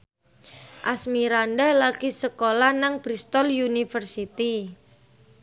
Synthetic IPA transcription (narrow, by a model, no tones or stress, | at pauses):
ʔasmiɾandalaɡ̥isəkolanaŋb̥ɾist̪ɔljunifərsit̪i